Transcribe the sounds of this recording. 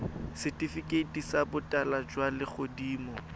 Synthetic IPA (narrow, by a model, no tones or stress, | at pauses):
sɪtʼifikʼetʼisabʊtʼalad͡ʒwalɪχʊdiːmɔ